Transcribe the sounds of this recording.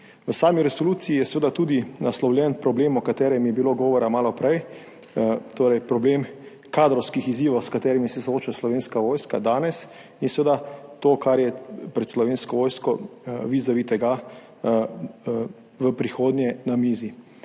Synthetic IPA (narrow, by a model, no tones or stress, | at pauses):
ʋəsaːmiɾɛsɔluːt̪siijɛsʋeːd̪at̪ud̪inaslɔwlʲjɛnpɾɔbleːmɔkat̪ɛːɾɛmjɛbiloɡɔːʋɔɾamaːlɔpɾɛj | t̪oːɾɛjpɾɔbleːm | kaːd̪ɾɔwskixiziːʋɔwskat̪ɛːɾimisɛsoːt͡ʃaslɔʋeːnskaʋoːjskad̪aːnɛs | insʋed̪at̪oːkaɾjɛpɾɛt̪slɔʋeːnskɔʋoːjskɔʋizɔʋit̪ɛɡa | ʋəpɾixoːd̪njɛnamizi